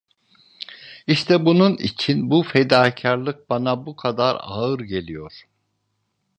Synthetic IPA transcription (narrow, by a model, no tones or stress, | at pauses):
iʃt̪ʰɛbununḭt͡ʃʰinbufed̪aːcʰaɾlˠɯk̚banabukʰad̪aɾa̰ɯɾɟe̞lʲijo̞ɾ̥